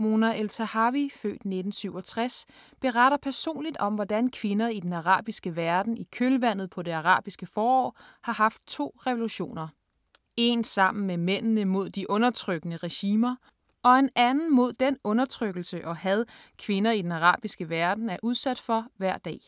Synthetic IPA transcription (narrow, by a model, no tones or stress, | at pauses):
mo̝ːnæʔelt͡sʰæhɑ̈ʋifø̰ːd̥ne̝d̥n̩syʊ̰ɒ̽t͡sʰʁas | b̥e̝ʁɑɾ̥ɐpʰæɐso̝̰ːnlid̥ɒ̽mʋɒd̥ænkʰʋe̝nɐid̥enɑʁɑ̰̈ːb̥isɡ̥əʋæɐd̥n̩ikʰølʋæn̰ð̩ˠpʰɒ̽de̝ɑʁɑ̰̈ːb̥isɡ̥əfɒːɒ̰ːhɑ̈ɦɑ̈fd̥̚t͡sʰo̝̰ːʁɛʋo̝luɕo̝̰ːnɐ | e̝nsɑ̈m̰n̩memen̰nəmo̝ð̞̰ˠd̥iʔɔ̽nɐt͡sʰʁœɡ̥ənəʁɛɕiːmɐ | ɒ̽e̝nænn̩mo̝ð̞̰ˠd̥enɔ̽nɐt͡sʰʁœɡ̥l̩səʔɒ̽hæð̞ˠkʰʋe̝nɐid̥enɑʁɑ̰̈ːb̥isɡ̥əʋæɐd̥n̩æɐʔuð̞ˠsæd̥fɒ̽ʋæɐ̰d̥ɛ̰ː